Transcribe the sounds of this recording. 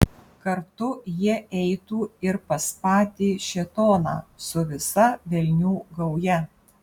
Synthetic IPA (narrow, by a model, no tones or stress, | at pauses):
kɐɾt̪ʊjiɛɛɪt̪uːɪɾpɐspɑːt̪ʲiːʃʲɛt̪oːnɑ̰ːsʊʋʲɪsɐʋʲɛlʲnʲuːɡɐʊjɛ